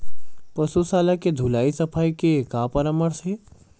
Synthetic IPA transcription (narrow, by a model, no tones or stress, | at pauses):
pəsusaːlaked̪ʱulaːisəpʰaːikekaːpəɾəməɽse